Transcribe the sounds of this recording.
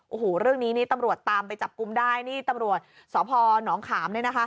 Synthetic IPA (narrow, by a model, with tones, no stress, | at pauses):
ʔoː˨˩hoː˨˩ɾɯ˥˩əŋniː˦˥niː˦˥˩t̪a˧mɾu˨˩ət̪ːaː˧mpa˧jt͡ɕa˨˩p̚ku˧mdaː˥˩jniː˥˩t̪a˧mɾu˨˩ət̪̚sɔː˩˦pʰɔː˧nɔː˩˦ŋkʰaː˩˦mnɯ˥˩əna˦˥kʰa˦˥